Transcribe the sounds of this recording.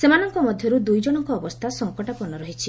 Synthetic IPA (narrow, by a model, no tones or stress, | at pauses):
semanɔŋkɔmɔd̪ʱjɔɾud̪ujd͡ʒɔɽ̃ɔŋkɔːbɔst̪ʰasɔŋkɔʈapɔnɔɾɔɦit͡ʃʰi